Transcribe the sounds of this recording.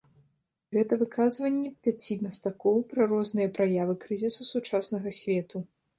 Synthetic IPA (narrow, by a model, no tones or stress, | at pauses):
ɣɛt̪ɐvɨkazvɐnʲːɛpʲat͡sʲimɐst̪akɔwpɾɐɾɔznɨjɐpɾajavɨkɾɨzʲisusut͡ʂasnɐɣɐsʲvʲɛt̪u